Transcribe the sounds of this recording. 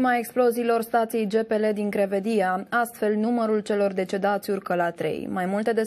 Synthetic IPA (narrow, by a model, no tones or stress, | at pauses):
mae̞ksplo̞ziːlo̞rst̪at̪sijejd͡ʒe̞pe̞le̞d̪iŋkɾe̞ve̞d̪iaast̪fe̞lnuməɾult͡ʃe̞lo̞rd̪e̞t͡ʃe̞d̪at̪sʲurkəlat̪ɾḛjmajmult̪e̞d̪e̞